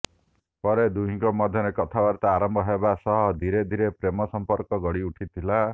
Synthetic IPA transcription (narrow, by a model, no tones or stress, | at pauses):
pɔɾed̪uɦĩŋkɔmɔd̪ʱjɔɾekɔt̪ʰabaɾt̪aaːɾɔmbʱɔɦebasɔɦɔd̪ʱiɾed̪ʱiɾepɾemɔsɔmpɔɾkɔɡɔɽiuʈʰit̪ʰila